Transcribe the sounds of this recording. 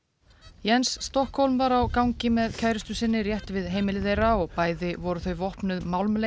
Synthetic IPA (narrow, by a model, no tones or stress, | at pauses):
jɛnsːt̪ɔhkhowlmvaɾawkawɲcɪmɛðcʰaːjɾɪst̪ʏsɪnːɪrjɛht̪vɪðɦeːjmɪlɪðejɾaɔɣpaːjðɪvɔɾʏθœɥjvɔhpnʏðmawlmle